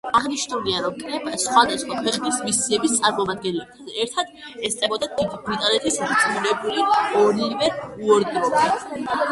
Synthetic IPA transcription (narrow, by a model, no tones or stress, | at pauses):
aʁniʃnuliaɾɔmkʼɾɛbasχwad̪asχwakʰwɛqʼnismisiɛbist̪sʼaɾmɔmad̪̚ɡɛnlɛb̚t̪ʰad̪ɛɾt̪ʰad̪̥ | ɛst̪sʼɛbɔd̪ad̪id̪ibɾit̪ʼanɛt̪ʰisd̪at̪sʼmuɾɛbuliɔɾivɛuɔɾd̪ɾɔi